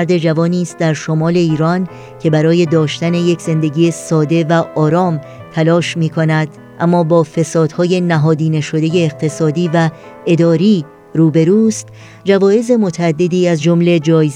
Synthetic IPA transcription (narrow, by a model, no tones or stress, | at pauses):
ɾd̪e̞d͡ʒævɒːniːst̪̚d̪æɾʃo̞mɒːle̞iːɾɒn | cʰe̞bæɾɒːje̞d̪ɒːʃt̪æne̞je̞cʰze̞nd̪e̞ɟiːesɒːd̪e̞væʔɒːɾɒːm | t̪ʰælɒːʃmiːkʰo̞næd̪̥ | ʔæmːɒːbɒːfe̞sɒːd̪̥hɒːje̞næɦɒːd̪iːneʃo̞d̪e̞je̞ːɣt̪ʰe̞sɒːd̪iːvæ | e̞d̪ɒːɾiː | ɾuːbe̞ɾuːst̪ | d͡ʒævɒːje̞ze̞mo̞t̪ʰææd̪ːe̞d̪iːæzd͡ʒo̞mle̞d͡ʒɒːjz